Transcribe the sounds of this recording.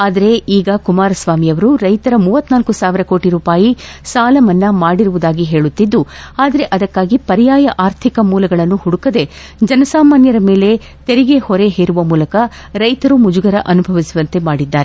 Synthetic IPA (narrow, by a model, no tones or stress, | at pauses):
aːd̪ɐɾe̞iːɡɐkumaːɾɐsʋaːmijɐʋɐɾuɾɐjt̪ɐɾɐmuːʋɐt̪ːnaːlkusaːʋiɾɐko̞ːʈiɾuːpaːjisaːlɐmɐnːɐmaːɽiɾuʋud̪aːɡiɦe̞ːɭut̪ːid̪ːuaːd̪ɐɾe̞ʔɐd̪ɐkːaːɡipɐɾijaːjɐʔaːɾt̪ʰikɐmuːlɐɡɐɭɐnːuhuɽukɐd̪e̞ | d͡ʒɐnɐsaːmaːnjɐɾɐme̞ːle̞ | t̪e̞ɾiɡe̞hɔɾe̞ɦeːɾuʋɐmuːlɐkɐ | ɾɐjt̪ɐɾumud͡ʒuɡɐɾɐʔɐnubʱɐʋisiʋɐnt̪e̞maːɽid̪ːaːɾe